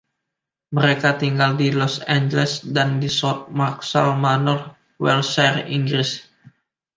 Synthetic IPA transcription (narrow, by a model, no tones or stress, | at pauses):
məɾekat̪iŋɡaldilɔsand͡ʒelɛsdandisɔt̪̚marksalmanɔr | wɛlsariŋɡɾis